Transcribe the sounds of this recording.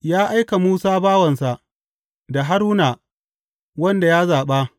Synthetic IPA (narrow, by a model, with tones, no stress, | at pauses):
jaː˦ʔa˦jka˨muː˦saː˦baː˦wɐ˨nsa˨ʔ | da˨ɦa˦ɾuː˦na˨ | wɐ˦nda˨jaː˦zaː˨ɓa˦